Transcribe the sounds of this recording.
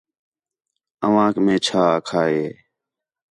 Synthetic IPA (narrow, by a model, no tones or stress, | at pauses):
əʋãːkmẽːt͡ʃʰaːkʰaːeː